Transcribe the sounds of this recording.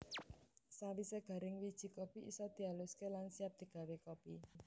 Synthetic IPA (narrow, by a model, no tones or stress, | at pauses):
sawiseɡ̥a̤ɾɪŋwid̥ʒ̥i̤kɔpiisɔd̪̥i̤alʊskelansiap̚d̪̥i̤ɡ̥a̤wekopi